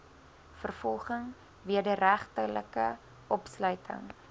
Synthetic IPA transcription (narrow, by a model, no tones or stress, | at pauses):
fərfɔlˠχəŋ | viədəɾæχtələkə | ʔɔpslœɥtʰə̰ŋ